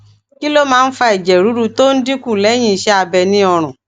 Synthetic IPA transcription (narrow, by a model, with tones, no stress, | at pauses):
ki˦lo˦mãː˦˧n̩˦fa˧i˨d͡ʒɛ˨ɾu˨˦ɾu˧to˦n̩˦di˦kũ˦˨lɛ˨˦j̃ĩ˧˨ʃɛ˧˦a˧bɛ˧nĩ˦ɔ˧ɾ̃ũ˨